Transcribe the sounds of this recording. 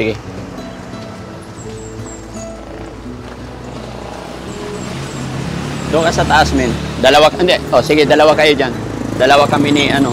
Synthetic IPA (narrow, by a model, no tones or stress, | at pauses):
ɡɪ | d̪ʊŋkasat̪aʔasmɪnd̪ɐlawand̪ɛʔosɪɡɪd̪alawakajod͡ʒand̪ɐlawakaminiʔano